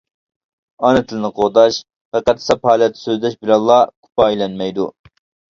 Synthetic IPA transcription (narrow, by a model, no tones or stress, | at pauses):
ɑnɛt̪ʰɪlɪnɪqʰod̪ɑʃ | ʁɛqːæt̪ʰːsɛpʰɑːlˠijɑt̪ʰːɪ̥søzd̪ɛʃbɪlɑlˠːɑkʰu̥pɑijlɛnmɛjd̪ṵ